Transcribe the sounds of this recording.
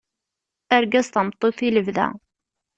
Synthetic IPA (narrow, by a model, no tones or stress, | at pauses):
æɾɡæzt̪əmt̪ˤːoθiləvðæ̰